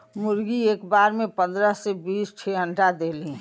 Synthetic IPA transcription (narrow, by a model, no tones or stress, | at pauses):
mʊɾɡieːkbaːɾmẽpə̃nd̪ɾəsebiːst͡ʃʰeɦə̃ɳʈad̪eːlĩ